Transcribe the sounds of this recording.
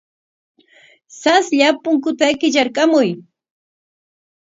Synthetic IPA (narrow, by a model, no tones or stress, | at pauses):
sasʎapʊŋkʊt̪akɪʎaɾkamʊj